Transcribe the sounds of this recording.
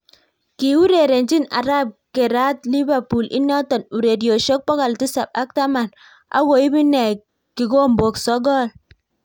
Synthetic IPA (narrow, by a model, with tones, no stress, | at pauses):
ki˨u˦ɾe˨ɾe˨n˦d͡ʒi˦na̰˨ɾa˦p̚ke˨ɾa˦tli˦ba˨pu˨lḭ˦nɔ˦tɔ˨nu˨ɾe˨djo˨ʃo˦k̚pɔ˦ka˨lti˦sa˨p̚a˦k̚ta˦ma˨n | a̰˦wo˨i˦bi˦ne˨ | ki˨ɡo˦m̩˨bo˨ksɔ˦ɡɔ˦˨l